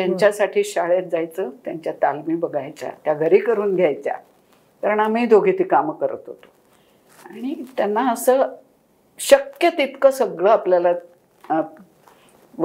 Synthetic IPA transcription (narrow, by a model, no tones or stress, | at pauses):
t̪jaɲt͡ɕjasaʈʰiːɕaɭjat̪̚d͡zajt͡sət̪jaɲt͡ɕjat̪almiːbəɡʱajt͡sa̰t̪jaɡʱəɾiːkəɾuːnɡʱjajt͡sja̰ | kaɾəɳamiːd̪ʱoɡʱit̪iːkamkəɾə̰t̪ɦo̰t̪o̥ | aɽ̃it̪janːaəsəː | ɕəkjət̪it̪kəsəɡɭəːapljala | ʋ